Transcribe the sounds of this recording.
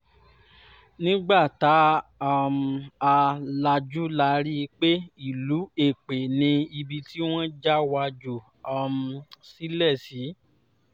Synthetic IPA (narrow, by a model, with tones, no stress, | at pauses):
nĩ˦ɡ͡ba˦˨ta˨˦a˦˨m˨a˧la˧d͡ʒu˦la˧ɾi˦˧k͡pe˦i˦˨lu˨˦e˦˨k͡pe˨nĩ˧i˧bi˧ti˦w̃ɔ̃˦d͡ʒa˦wa˧d͡ʒu˨ | a˦˨m̩˨si˦lɛ˦˨si˨˦